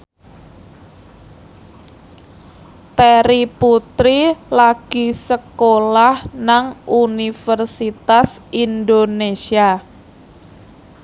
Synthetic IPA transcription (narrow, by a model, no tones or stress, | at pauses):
t̪eɾiput̪ɾilaɡ̥isəkolahnaŋʔunifərsit̪asind̪onesia